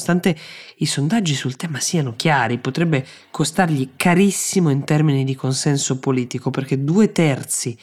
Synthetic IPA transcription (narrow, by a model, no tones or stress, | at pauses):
st̪ant̪eisond̪ad͡ʒːisult̪ɛːmasiːanok̟jaːɾipot̪ɾɛbːe | kʰost̪arʎikʰaɾisːimoint̪ɛrminid̪ikonsɛnsopoliːt̪ikoperk̟ed̪uːet̪ɛrt̪si